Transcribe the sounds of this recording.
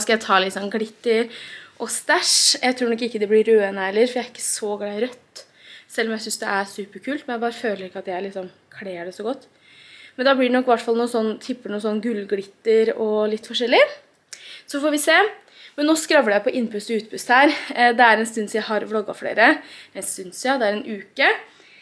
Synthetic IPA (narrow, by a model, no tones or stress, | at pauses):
skɑjæɪt̪ʰɑːlɪt̪ːsɔnɡɽɪt̪ːəɾʔɔst̪æʂjæɪt̪ʰɾuːnɔkːɪkːəd̪ɛblɪɾøːənəɛlːəɾfɔɾjæɾɪkːə̥sɔɡlæɪɾœt̪ː | sɛlːɔmjæɪs̬ʏnsd̪ɛ̰ʔæɾsʉːpəɾkʰʉːlt̪mɛnæɪbɑːɾəføːləɾɪkːɑt̪jææɾɭɪksɔm | kʰɽeːɖɛsɔɡɔt̪ː | mɛnd̪ɑːblɪɖɛnɔkːʋæʈːfɑlnuːnsɔnːt̪ʰɪpːəɳuːnsɔnːɡʉlːɡɪt̪ːəɾɔlɪt̪ːfɔʂɛlːɪ | sɔfɔːɾʋɪseː | mɛnːoːskɾɑʋəɖɛjæɪpɔʔɪnːpʉst̪ɔʉːt̪pʰʉst̪hæːɾd̪ɛæɾɛnst̪ʉnːsjæɪɦɑɾʋlɔɡːɑ̰fɽḛːɾəd̪ɛsʉnsjɑd̪ɛæɾɛnʉːkə